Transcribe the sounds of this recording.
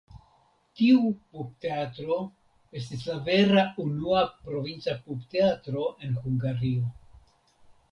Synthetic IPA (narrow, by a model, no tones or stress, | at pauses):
tiupup̚te̞atɾo̞ | e̞s̬tis̬lave̞ɾaunuapɾo̞vint͡sapupte̞atɾo̞ʔe̞nhuŋɡaɾio̞